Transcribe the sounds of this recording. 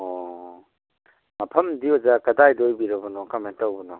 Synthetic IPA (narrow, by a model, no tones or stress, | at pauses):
ɔ | mɐpʰɐmdiozakɐdajdojbiɾɐbɔnɔkamentawbɔnɔ